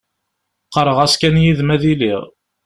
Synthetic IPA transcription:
qəɾˤəʁæskænjiðmæðiliʁ

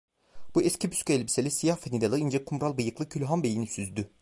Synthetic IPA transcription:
buɛsciby̥sckyɛlʲbiselʲisijahfet̪id̪alˠɯind͡ʒɛkʰumɾalˠbɯjɯklˠɯcʰylʲɦanbejinisyzd̪y

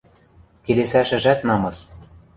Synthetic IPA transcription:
kelesæʃɘ̆ʒæt̪nɑmɤ̆s

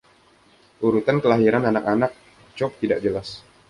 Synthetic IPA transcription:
uɾut̪ankəlaɦiɾananakanak̚ | t͡ʃɔp̚t̪idaʔd͡ʒəlas

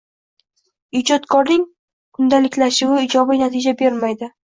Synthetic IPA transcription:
ɪd͡ʒɒt̪kʰɒɾnɪŋ | kʰʊnd̪alɪkʲlaʃɪwɪɪd͡ʒɒbɪnat̪ʰɪd͡ʒabe̞ɾmajd̪ɪ

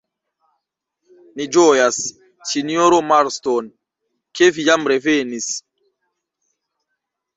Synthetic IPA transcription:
nid͡ʒojas | sinioɾomaɾston | kevijamɾevenis

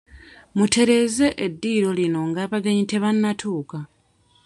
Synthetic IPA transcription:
mutʰe̞ɾe̞ːze̞ʔedːiːɾo̞lino̞ŋɡaːβaɡeɲite̞βanːatʰuːka

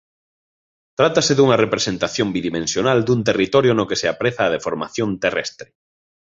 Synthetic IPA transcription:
t̪ɾat̪aseðuŋɐrepɾesent̪aθjõmbiðimẽnsjonald̪unt̪erit̪ɔɾjonokeseapɾeθaːð̞efoɾma̰θjont̪erɛ̰st̪ɾe

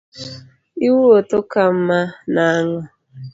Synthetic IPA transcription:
iwuotokam̩manaŋɔ

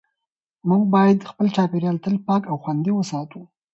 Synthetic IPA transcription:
muɡ̚bɑjad̪xpəlt͡ʃɑpeɾjɑlt̪əlpɑkawxwand̪iwəsɑt̪u

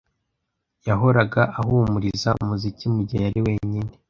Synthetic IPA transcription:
jaɦo̞ɾaɡaʔaɦumuɾizaṵmuzicimuɟajaɾiwe̞ːɲine̞

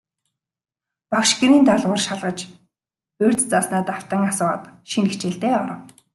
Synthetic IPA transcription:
pakʃkĭniːnt̪aɮʁʊ̆rʃaɮʁə̆t͡ɕ | erʲt͡st͡sasnaːt̪aw̥t̪ə̆ːŋasʊːʁə̰t̪ʃinext͡ɕĕɮt̪eːɔɾɞ̆w

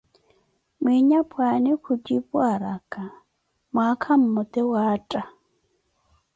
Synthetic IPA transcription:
mwiɲapʰʼwanɪkʰʊd͡ʒʼipʼwaɾakʼa | mwakʰam̩mʊt̪ʼɛwaːtʼa

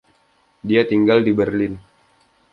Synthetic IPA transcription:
diat̪iŋɡaldibərlɪn

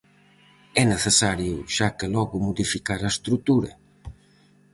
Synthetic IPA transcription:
ɛneθesaɾjuʃakelɔɣʊmuðifikaɾɐest̪ɾut̪uɾɐ̰

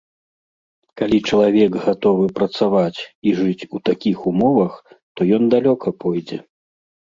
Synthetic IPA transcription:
kalʲit͡ʂɐlˠavʲɛɡɣat̪ɔvɨpɾɐt̪savat͡sʲiʐɨt͡sʲut̪akʲixumɔvɐx | t̪ɔjɔnd̪alʲɔkʰɐpʰɔjd͡zʲɛ

